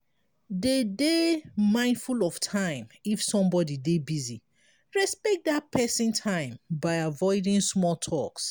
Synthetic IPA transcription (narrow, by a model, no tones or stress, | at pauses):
dedemãɪ̃ndfulɔv̥tʰãɪ̃mifsɔ̃mbɔdidebizi | ɹɛspɛk̚dapʰɛsĩntʰãɪ̃mbaɪavɔɪdĩŋsmɔltʰɔks